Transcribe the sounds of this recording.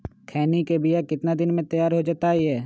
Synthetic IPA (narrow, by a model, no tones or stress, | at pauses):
kʰɛːnikebɪjakɪt̪nad̪ɪnmẽt̪ɐjaːɾɦod͡ʒat̪aɦiɦɛː